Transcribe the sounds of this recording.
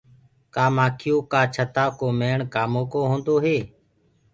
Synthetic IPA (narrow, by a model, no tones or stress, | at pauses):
kaːmaːkʰɪjõːkaːt͡ʃʰət̪aːkoːmeːɳkaːmõːkoːɦõːnd̪oːɦeː